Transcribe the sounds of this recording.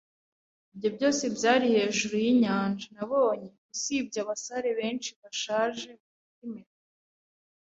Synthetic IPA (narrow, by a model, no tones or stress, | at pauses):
ibjo̞bɟo̞ːse̞bjaːɾihe̞ːʒuɾujiɲaːnd͡ʒanaβo̞ːɲe̞ɡusiːb̚ɟaβasaɾe̞βe̞ːnʃiβaʃaːʒe̞uutimeɾ